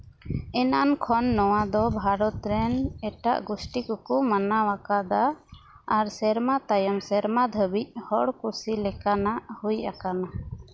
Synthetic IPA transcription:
ɛnaankʰɔnːɔwad̪ɔbʱaɾɔt̪ɾɛnɛʈa̰ʔɡusʈikɔkɔmanawakad̪aː | ɾsɛɾmat̪ajɔmsɛɾmad̪ʱəbic̚hɔɽkusilɛkanaʔhujʔakana

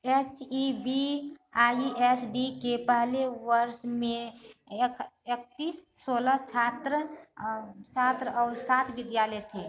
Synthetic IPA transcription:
et͡ʃibiaːiʔesɖikepəɦleʋəɾʃmẽ | kek̚t̪iːssoːlət͡ʃʰaːt̪ɾə | t͡ʃat̪ɾəɔːɾsat̪ʰʋɪd̪jaːlɛt̪ʰe

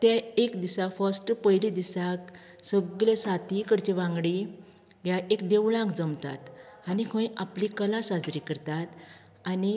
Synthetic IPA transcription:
t̪jaekd̪isafəsʈpəjɾid̪isak | səɡlesat̪ikəɾt͡ɕeʋãŋɡɽi | ɦjaʔekd̪eʋɭãŋkd͡zəmt̪a̰t̪anikʰə̃jʔaplikəlasad͡zɾikəɾt̪at̪ | ani

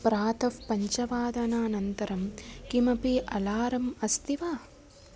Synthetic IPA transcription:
pɾaːt̪ɐʋpɐɲt͡ʃɐʋaːd̪ɐnaːnɐnt̪ɐɾɐmkimɐpiʔɐlaːɾɐmɐst̪iʋaː

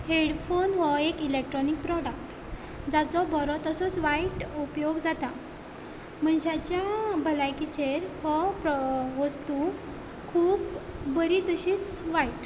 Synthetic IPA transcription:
heɽfonɦɔekilekʈɾɔnik̚pɾɔɽak̚ʈ | d͡zat͡sɔbʱɔɾɔt̪əsɔt͡sʋaiʈupjoɡd͡zat̪a | m̤əɳd͡ʑat͡ɕjabʱəlajkit͡ɕeɾhɔpɾɔʋəst̪u | kʰuːpbəɾit̪əɕiːsʋaiʈ

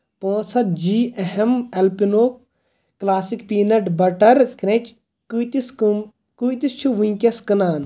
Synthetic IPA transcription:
põːsʰɐt̪̚d͡ʒiːʔɐɦemɐlpinoːp̚ | klaːsikpiːnɐʈbɐʈɐɾkɾẽt͡ʃ | kut̪iskum | kujt̪ist͡ʃʰuʋĩkʲɐskɐnaːn

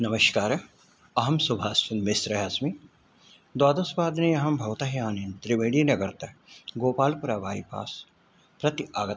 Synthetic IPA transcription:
nɐmɐʃkaːɾɐ | ɐɦɐmsʊbʱaːsɪnmɪsɾɐɦɐsmi | d̪waːd̪ɐsbaːd̪nejɐɦɐmbʱɐʋt̪ɐɦjaːnĩnt̪ɾɪʋeːɽiːnɐɡɐɾt̪ɐɡoːpaːlpʊɾaːʋaːḭpa̰ːs | pɾɐt̪iaːɡɐt̪

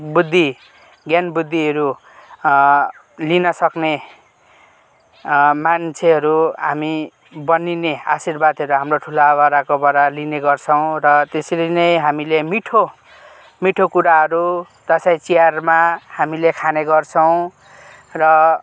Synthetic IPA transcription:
bud̪ʱːi | ɡjanbud̪ʱːiɦʌɾu | linʌsʌkne | mant͡sʰeɦʌɾuɦami | bʌninea̰sirbad̪ʱɦʌɾuɦamroʈʰulaːβaɾakobʌɾalineɡʌrt͡sʰʌw̃rʌt̪esilinʌjɦamilemiʈʰo | miʈʰokuɾaɦʌɾu | d͡z̪ʌsaj̃t͡sijarmahamilekʰaneɡʌrt͡sʰʌw̃ | rʌ

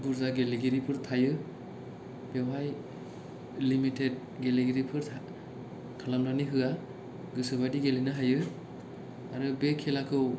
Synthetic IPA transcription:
buɾzaɡeliɡiɾipʰɯɾtʰajɯ | b̥ewaj | limitʰed̚ | ɡeleɡiɾipʰɯɾʰa | kʰalamnaniɦɯa | ɡɯsɯbajdiɡelinɯɦajɯ | aɾɯbekʰelakʰɯw

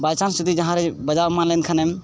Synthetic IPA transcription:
basansud̪ʱid͡ʒɐɦãɾebɐd͡ʒamanlenkʰənem

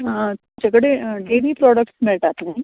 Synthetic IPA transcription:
d͡ʒɐɡɽeʈeːʋiːpɾɔːɖək̚ʈsmeʈaːt̪eɦɛ̃

